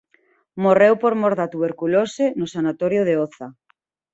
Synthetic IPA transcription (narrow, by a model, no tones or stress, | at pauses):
morewpoɾmoɾðat̪uβeɾkulosenʊsanat̪oɾjoð̞eoθa